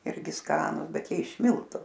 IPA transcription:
ˈɪrʲɡʲɪ ˈskɑːnʊ ˈbʲɛt ˈjiɛ ɪʃ ˈmʲɪlˠtʊ

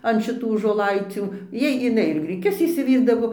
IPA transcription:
ɐn ʃʲɪˈtuː ʒoːˈlˠɐɪt͡sʲuː ˈjɛɪ ɪˈnɐɪ ɪr ɡrʲɪˈkʲʊs ɪʃʲsʲɪˈʋʲiːrdɐʋoː

